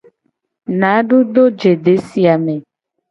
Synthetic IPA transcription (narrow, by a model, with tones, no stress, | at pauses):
nã˨˦ɖu˦ɖ̪o˦d͡ʒe˨ɖe˨˦si˨a˨mẽ˨